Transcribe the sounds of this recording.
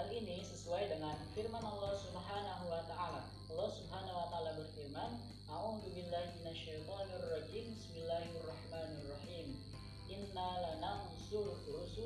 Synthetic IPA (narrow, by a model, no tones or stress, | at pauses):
alʔinisəsuajdəŋanfirmanʔɑlːɑhsubɦanaɦuwat̪aʔala | ʔɑlːɑhsubɦanawat̪aalabərfirman | ʔaʕud̪ubilːahminaʃːajt̪ˤɑniarˤːɑd͡ʒiːmbismilːahɑrˤːɑħmaːnrˤːɑħiːm | ʔɪnːalanan | sʊlfuus